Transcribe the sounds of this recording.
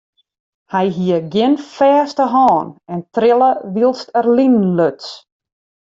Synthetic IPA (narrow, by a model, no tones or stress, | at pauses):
hɛjɦiəɡjɪnfɛːstəɦɔːnɛntrɪlˠəʋilˠstərlinløts